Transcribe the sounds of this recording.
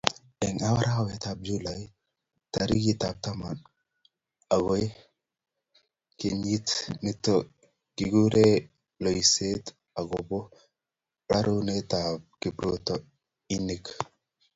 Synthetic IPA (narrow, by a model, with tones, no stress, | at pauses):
ɛ˨ŋa˦wa˦ɾa˦wɛ˨t̪a˨b̚d͡ʒu˦laj | taɾi˦ɡi˦t̪ab̚t̪a˦ma˨n | a˨ɡo˦e˦ | ke˨ɲi˦tni˦to | kɪ˨ɡu˦ɾe˦ | lo˨i˨se˦t̪ | a˨ɡobo˦ | ɾa̰˦ɾo˦ne˦t̪ab̚kɪpɾot̪ɔ | i˦ni˦k